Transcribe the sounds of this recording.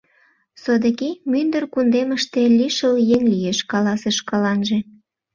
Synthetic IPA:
sod̪əkimynd̪ərkund̪eməʃt̪eliʃəljeŋlijeʃkɑlɑseʃkɑlɑnʒe

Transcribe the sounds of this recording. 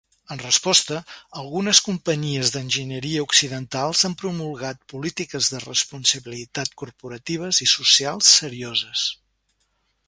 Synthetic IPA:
ənrəspɔst̪əəlˠɣunəskumpəɲiəzðənʲʒinəɾiəuksiðənt̪alˠzampɾumulˠɣat̪̚pulit̪ikəzðərə̰spunsəβilit̪at̪kurpuɾət̪iβ̞əzisusialˠsːəɾiozəs

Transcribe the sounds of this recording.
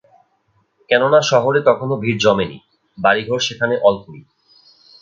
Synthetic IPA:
kɛnonaʃɔɦoɾet̪ɔkʰonobʱiɾd͡ʑɔmenḭ | baɾiɡʱoɾʃekʰaneʔɔlkuɾḭ

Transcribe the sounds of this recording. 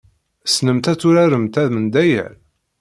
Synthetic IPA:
snəmt̪æt͡sːuɾæɾəmt̪æðmənd̪æjæ̰ɾ

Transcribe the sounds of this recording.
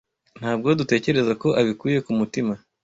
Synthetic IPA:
n̥haːb̚ɡo̞dute̞ːce̞ɾe̞zako̞ʔaβikuːje̞kumutima

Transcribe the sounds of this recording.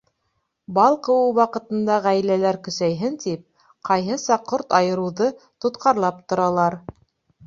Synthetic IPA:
bɑlˠqɤ̆wɤwɑqɤ̆t̪ɤ̆nd̪ɑʁæjlælæɾkɵ̆sæjɦɘnt̪ip̚ | qɑjɦɤsɑqʰːoɾt̪ɑjɤ̆ɾɤ̆wðɤt̪ŏt̪qʰɑɾlˠɑp̚t̪ŏɾɑlˠɑɾ

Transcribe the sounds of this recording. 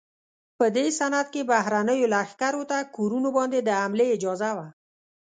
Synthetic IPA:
pəd̪esanad̪̚kebaɦɾanəjolaxkaɾot̪akoɾunobɔnd̪ed̪əamleːd͡ʒɔzawa

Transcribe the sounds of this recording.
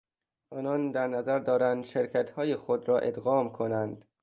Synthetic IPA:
ʔɒːnɒːnd̪æɾnæzæɾd̪ɒːɾænd̪ʃeɾcʰæt̪hɒːjexod̪ɾɒːʔed̪ɣɒːmkʰonænd̪̥

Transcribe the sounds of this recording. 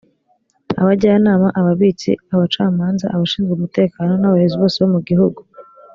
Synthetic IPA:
aβaɟaːnaːmaʔaβaβiːt͡sḭaβat͡ʃaːmaːnza̰ʔaβaʃiːnzɡumute̞ːkaːno̞naβaheziβo̞ːseβo̞muɡiɦuɡu

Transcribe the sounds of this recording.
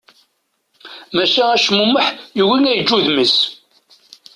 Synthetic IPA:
mæʃææʃmuməħjuwinæjəd͡ʒːuðməs

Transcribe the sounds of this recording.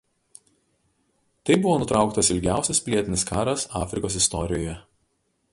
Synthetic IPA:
t̪ɐɪbʊʋoːnʊt̪ɾɑˑʊkt̪ɐsɪlʲɡʲæˑʊsʲɛspʲlʲiɛt̪ʲɪnʲɪskɑːɾɐsɑːfʲɾʲɪkoːs̬ɪst̪ɔɾʲɪjoːjɛ

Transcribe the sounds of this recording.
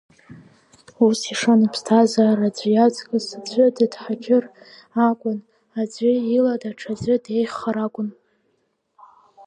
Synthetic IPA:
usiʂanapʰstʰazarad͡zʷjad͡zkʼɨsad͡zʷʼʏdɨdħad͡ʒʲʰʼɪr | akʷʼʊn | ad͡zʷʏiladaʈ͡ʂʰad͡zʷʼɨdejχaɾakʷʼʊn

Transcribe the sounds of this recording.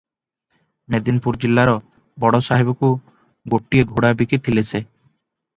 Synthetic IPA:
med̪inpuɾd͡ʒilːaɾɔ | bɔɽɔsaɦibɔku | ɡoʈːieɡʱuɽabikit̪ʰilesʰe

